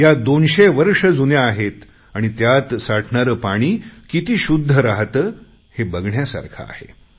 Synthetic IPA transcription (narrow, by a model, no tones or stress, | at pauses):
jad̪onɕeʋəɾʂəd͡zunjaːɦet̪ | aɽ̃it̪jat̪saʈʰɳaɾəːpaɽ̃iːkit̪iːɕud̪ʱːəɾaɦt̪əː | hebəɡɳjasa̰ɾkʰa̰ːhḛ